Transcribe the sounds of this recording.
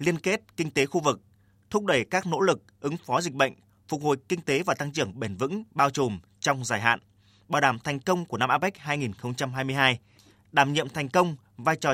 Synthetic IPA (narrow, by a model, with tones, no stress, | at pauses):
li˧ənke˦˥t̚kï˧ŋ̟t̪e˨˦xu˧vɨ˨˩k̚ | t̪ʰʊ˦˥k͡p̚ɗə˧˩jkaː˦˥k̚no̰˧˥lɨ˨˩k̚ʔɨ˨˦ŋfɔ˨˦zï̟˨˩ɓə̰˧˨jŋ̟ | fʊ˨˩k͡p̚ho̰˨˩jkï˧ŋ̟t̪e˨˦vaː˨˩t̪a˧ŋt͡ɕɨ˧˩əŋɓe˨˧˩nvɨ̰˧˥ŋɓaː˧wt͡ɕo˨˩m | t͡ɕɔ˧wŋ͡mzaː˧˩jɦa̰ː˧˨n | ɓaː˨˩wɗaː˧˩mt̪ʰɛ˨˩jŋ̟kə˧wŋ͡mku˧˩ənaː˧mʔaː˧˥pɛ˦˥k̟̚haː˧jŋi˨˩nxə˧wŋ͡mt͡ɕa˧mɦaː˧jmɨ˧əjɦaː˧j | ɗaː˧˩mɲḭ˧˨əmt̪ʰɛ˨˩jŋ̟kə˧wŋ͡m | vaː˧jt͡ɕɔ˨˩